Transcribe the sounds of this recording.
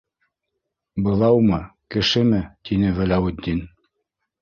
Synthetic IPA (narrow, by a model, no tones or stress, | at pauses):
bɤ̆lˠɑwmɤkɘ̆ʃɘmɘt̪inɘvælæwɘ̆d̪ːin